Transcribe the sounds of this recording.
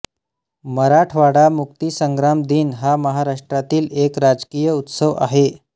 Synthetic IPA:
məɾaʈʰʋaɽamuk̚t̪iːsəŋɡɾamd̪iːnɦaməɦaɾaʂʈɾat̪iːlekɾad͡zkijəut̪səʋa̰ɦe

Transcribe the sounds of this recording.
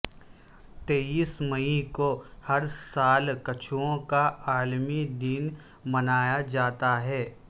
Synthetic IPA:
t̪eːiːsməĩkohɐɾsaːlkɐt͡ʃʰuõkaʔaːlmid̪iːn | mɐnaːjad͡ʒaːt̪aɦɛː

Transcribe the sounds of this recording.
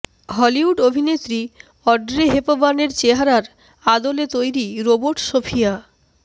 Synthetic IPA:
ɦɔliuɖobʱinet̪ːɾi | ɔɾɖɾeɦepobaneɾt͡ɕeɦaɾaɾ | ad̪olet̪ojɾiɾoboɾʈʃofʰija

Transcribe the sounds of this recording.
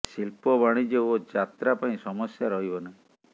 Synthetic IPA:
silpɔβaɽ̃id͡ʒeod͡ʒat̪ɾapaĩsɔmɔsjaɾɔɦibɔnaĩ

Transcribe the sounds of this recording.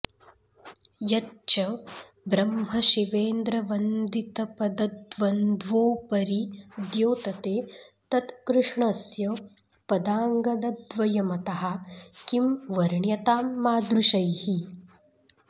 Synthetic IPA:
jɐt͡ʃɐ | bɾɐmɦɐʃiʋeːnd̪ɾɐʋɐnd̪it̪ɐpɐd̪ɐd̪ʋɐnd̪ʋoːpɐɾid̪joːt̪ɐt̪eːt̪ɐt̪kɾuʂɳɐsjɐ | pɐd̪aːŋɡɐd̪ɐd̪ʋɐjɐmɐt̪ɐɦɐkimʋɐɾɳjɐt̪aːmːaːd̪ɾuʃɐjhi

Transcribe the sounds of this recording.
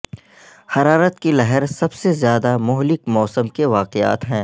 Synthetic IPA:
hɐɾaːɾət̪kilɐɦəɾsɐbsezjaːd̪amʊɦlɪkmɔːsəmkeʋaːqɪa̰ːt̪ɦɛ̃ː

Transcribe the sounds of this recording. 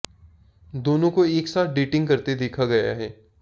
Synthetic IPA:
d̪oːnõkoeːksaːt̪̚ʰɖiːʈɪ̃ŋɡkɐɾt̪ed̪eːkʰaɡɐja̰ɦɛː

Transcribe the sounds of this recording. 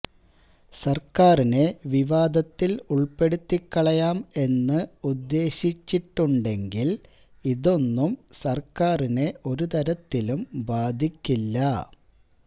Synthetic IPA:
sɐrkaːrine̞ʋiʋaːd̪ɐt̪ːiluɭpe̞ɽut̪ːikːɐɭɐjaːme̞nːɨud̪ːe̞ːɕit͡ɕːiʈːuɳɖe̞ŋɡil | iðo̞nːumsɐrkaːrine̞ʔo̞ɾut̪ɐɾɐt̪ːilumbaːd̪ʱikʲːilːɐ

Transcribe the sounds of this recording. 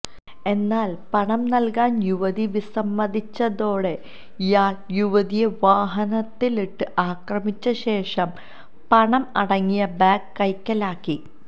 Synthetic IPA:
e̞nːaːlpɐɳɐmnɐlkaːnjuʋɐðiʋisɐmːɐðit͡ɕːɐðo̞ːɽe̞ | jaːrjuʋɐðijeʋaːɦɐnɐt̪ːiliʈːɨʔaːkrɐmit͡ɕːɐɕe̞ːʂɐm | pɐɳɐmɐɽɐŋːijɐbaːkːɐjkːɐlaːkːi

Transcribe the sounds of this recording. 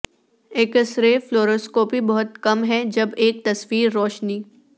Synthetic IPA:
eːkəsɾefloːɾoːskoːpibɐɦʊt̪kɐmɦɛd͡ʒɐbeːk̚t̪ɐsʋiːɾːɔːʃniː

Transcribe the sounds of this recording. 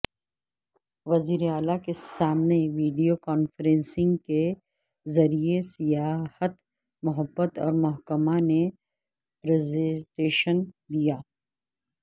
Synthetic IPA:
ʋɐziːɾeaːlakesaːmneʋiːɖijokaːnfəɾẽnsɪ̃ŋɡke | zɐɾijesijaːhət̪ | mʊɦəbːət̪ɔ̰ːɾmɔɦkəmane | pɾezẽʈeːʃən | d̪ijaː

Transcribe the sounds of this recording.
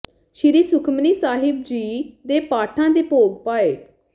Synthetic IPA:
ʃɪɾiːsʊkʰmniːsaːɦɪb̚d͡ʒiːd̪eːpaːʈʰãːd̪eːpoːɡpaːeː

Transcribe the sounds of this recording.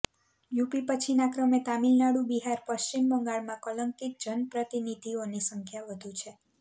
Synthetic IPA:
jupipət͡ʃʰinakɾəmet̪amilnaɽũbiɦaɾpəʃt͡ʃimbəŋɡaɭmãkɔləŋkik̚d͡ʒənpɾət̪inid̪ʱionisəŋkʰjaʋəd̪ʱũt͡ʃʰe

